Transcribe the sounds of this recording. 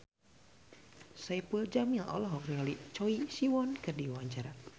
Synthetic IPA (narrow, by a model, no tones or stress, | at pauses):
saipuld͡ʒamilɔ̰lɔɦɔknialit͡ʃɔisiwɔnkɨrdiwaɲt͡ʃaɾa